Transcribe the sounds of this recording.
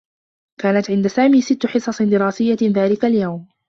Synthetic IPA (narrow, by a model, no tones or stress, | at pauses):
kaːnat̪ʕɪnd̪asaːmiːsɪt̪ːħɨsˤɑsˤd̪ɪɾɑːsɪjːaðaːlɪkaljawm